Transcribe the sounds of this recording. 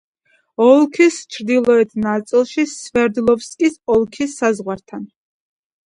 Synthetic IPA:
ɔlˠkʰist͡ʃʰɾd̪ilˠɔɛt̪ʰnat̪sʼilˠʃisvɛɾd̪lˠɔfskʼisɔlˠkʰisːazʁwaɾt̪ʰan

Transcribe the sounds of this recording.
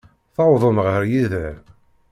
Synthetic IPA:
θɑwðˤəmʁəəɾjiðə

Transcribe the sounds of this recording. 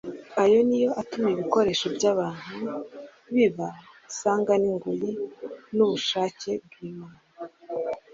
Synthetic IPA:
ajo̞nijo̞ʔatumiβiko̞ɾe̞ːʃo̞bɟaːβaːn̥hu | βiβa | saːŋɡaniŋɡujinuβuʃaːce̞b̚ɡwiːmana

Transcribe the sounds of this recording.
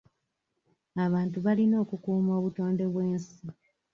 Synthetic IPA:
aβaːntuβalino̞ːkukuːmo̞ːβuto̞ːnde̞βwe̞ːnsi

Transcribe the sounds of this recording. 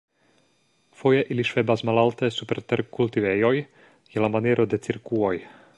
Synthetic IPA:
fo̞je̞ʔiliʃve̞basmalaltesupe̞ɾteɾkultivejo̞j | jelamanieɾʔo̞de̞t͡siɾkuo̞j

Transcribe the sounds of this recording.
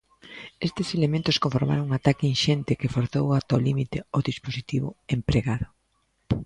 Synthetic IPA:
est̪ɪselemẽnt̪ʊskõɱfoɾma̰ɾõŋŋat̪akenʃent̪ɪkefoɾθowat̪olimit̪eoðisposit̪iβʊ̰empɾeɣaðʊ

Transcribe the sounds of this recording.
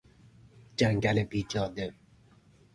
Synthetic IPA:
d͡ʒaŋɡælebid͡ʒɑd̪e

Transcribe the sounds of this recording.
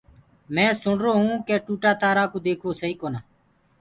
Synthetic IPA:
mɛ̃ːsʊɳɾoːɦũːkeːʈuːʈaːt̪aːɾaːkoːd̪eːkʰoːsəɦiːkoːnaː

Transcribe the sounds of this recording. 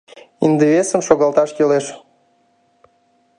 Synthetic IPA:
ind̪eβesəmʃoɣɑlt̪ɑʃkeleʃ

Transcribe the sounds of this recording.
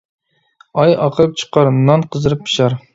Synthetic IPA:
ɑjɑqʰəɾɨp̚t͡ʃʰɨ̥qʰɑɾnɑnqʰəzɨɾɨp̚ʰːi̥ʃɑɾ

